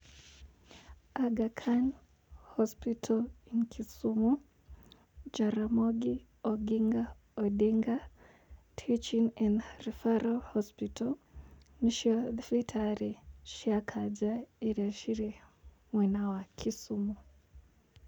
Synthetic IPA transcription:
aɡakʰan | hɔspitʰɔlinkʰisumu | d͡ʒaɾamɔɡi | ɔɡiŋɡa | ɔɗiŋɡa | tʰit͡ʃinɛnrifaɾahɔspitʰɔniʃiɔðfitʰaɾiʃiakʰad͡ʒaeɾiaʃiɾe | mwinawakʰisumu

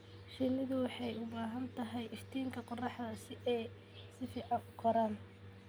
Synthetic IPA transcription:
ʃɪnɪðʊwɑħɑjʊbaːɦɐnt̪ʰɐɦɛjʔɪft̪ʰiːŋkʰɐqɔrɑħðɐsɪɛj | sɪfiːʕɑŋʊqʰɔɾaːn

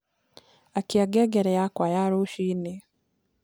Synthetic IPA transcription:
akiaɡɛɡɛɾɛjakwajaɾoʃine

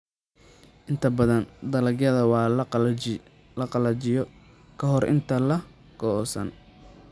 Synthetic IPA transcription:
ʔɪnt̪ʰɐbɐðɐnd̪ɐlɐɡjɐðɐwɑː | lɐqɑlɐt͡ʃɪjɔ | kʰɐɦɔrʔɪ̰nt̪ʰɐlɐ | ɡʰɔsɐ̰n

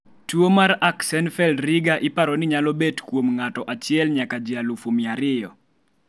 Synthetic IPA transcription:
twomaɾaksɛnfɛldɾɪɡaʔɪpaɾɔnɪɲalɔbetkwomŋatɔʔat͡ʃɪɛlɲakad͡ʒɪalufomɪaɾɪjɔ

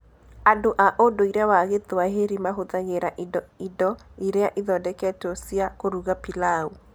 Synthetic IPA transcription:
adoʔaʔodoiɾeawaɣeðoaɦeɾimaɦoðaɣeɾaʔdidɔiɾeaʔiðɔdɛkɛtosiakoɾuɣapilau

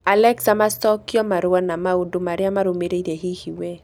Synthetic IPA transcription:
alɛksamastɔkːɪɔmaɾʊwanamaodomaɾɪamaɾomeɾeiɾeɦihiwe

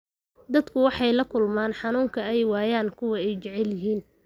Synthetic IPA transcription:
d̪ɐd̪kʰʊwɑħɑjlɐkʰʊlmaːnħɑnuːŋkʰɐɛjwaːjaːnkʰʊwɐɛjt͡ʃɛʕɛljɪɦiːn

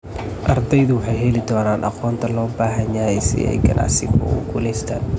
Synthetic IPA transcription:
ʔɐrd̪ɛjðʊwɑħɑjɦɛlɪd̪ɔːnaːnʔɑ̰qɔːnt̪ʰɐlɔːbaːɦɐɲaːɛjsɪ̰ʔɛ̰jɡɐ̰nʔa̰ːʕsɪbʊ̰ʊ̰ɡʰʊlɛjst̪ʰa̰ːn

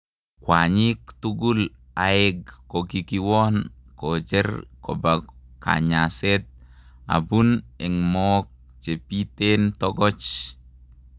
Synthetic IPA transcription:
kwaɲikt̪uɡul | aɛɡːokikiwɔnkɔd͡ʒɛɾkɔ̰baɡka̰ɲasɛt̪̚a̰bunɛŋmɔːk̚ | t͡ʃepit̪ent̪ɔɡɔt͡ʃ

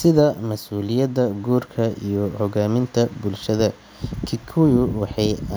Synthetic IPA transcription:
sɪðɐmɐsuːlɪjɐd̪ɐɡuːrkʰɐijɞhɔɣaːmɪnt̪ʰɐbʊlʃɐðɐ | kʰɪkʰʊjʊwɑħɑj

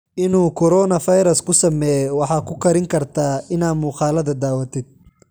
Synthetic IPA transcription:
ʔɪnuːkʰɔɾɔːnɐfɐjɾɐskʰʊsɐmɛːjɔwɑħɑːkʰʊkʰɐɾɪŋkʰɐrt̪ʰaːɪnaːd̪muːqɑːlɐðɐd̪aːwɐt̪ʰɪd̪̥̚

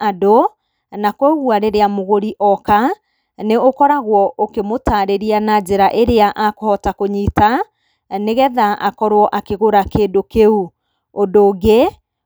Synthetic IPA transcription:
ado | nakwɛɣwaɾeɾeamoɣoɾiʔɔka | neokɔɾaɣwɔʔokemotaɾeɾianad͡ʑeɾaʔeɾeaʔakohɔtakoɲiːta | neɣɛðaʔa̰kɔɾwɔʔakeɣoɾakedokeu | ondoːɡe

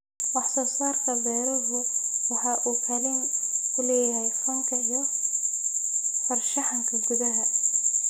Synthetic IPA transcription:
wɑħsɔːsaːrk̪ʰɐbɛːɾɐðʊwɑħɑʔuːkʰɐlɪnʊlɛːjɐɦɛjfɐŋkʰɐijɔ | fɐrʃɑħɑŋkʰɐɡʊðɐɦɐ

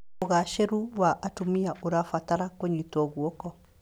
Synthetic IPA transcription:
oɣaʃeɾuwaʔatumiaʔuɾafataɾakoɲitɔɡuokɔ

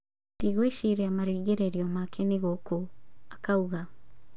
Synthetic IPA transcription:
tiɣweʃiɾeamaɾiːɣeɾeɾiɔmakʰeniɣokoakauɣa

